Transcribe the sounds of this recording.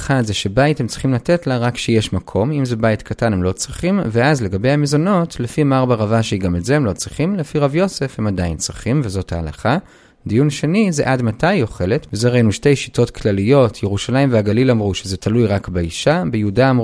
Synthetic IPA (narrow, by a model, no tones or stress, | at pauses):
χadzeʃe̞baithemt͡sʁi̥χimlate̞tlaʁakʃejeʃmakʰo̞mimze̞baitkʰatanhemlo̞t͡sʁiχimveazle̞ɡabe̞jamezo̞no̞tlefimaʁbaʁavaʃeiɡamezehemlo̞t͡sʁiχimlefiʁavjo̞se̞fhemadajint͡sʁiχimvezo̞tha̰ːla̰χa | d̪ijunʃe̞nizḛʔadmatajo̞χe̞le̞tvezeʁeinuʃte̞jʃi̥tʰo̞tkʰlalijo̞tʰjeʁuʃalaimveaɡalilamʁuʃezetʰalujʁakbeiʃabejudaːmʁ